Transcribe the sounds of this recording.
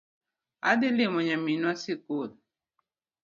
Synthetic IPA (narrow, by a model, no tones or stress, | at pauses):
a̰delemɔɲaminuasikol